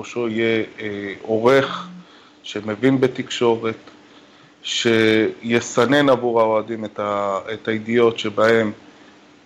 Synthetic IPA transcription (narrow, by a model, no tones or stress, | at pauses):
ʃo̞ije | o̞ʁe̞χ | ʃe̞mevinbet̪ikʃo̞ʁe̞t | ʃe̞jesane̞navuʁao̞adimetaetaidijo̞tʃe̞bahe̞m